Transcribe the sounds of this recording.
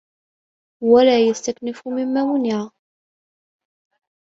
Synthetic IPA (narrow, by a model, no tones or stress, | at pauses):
wælæːjəst̪æknəfumɪmːæmʊniʕ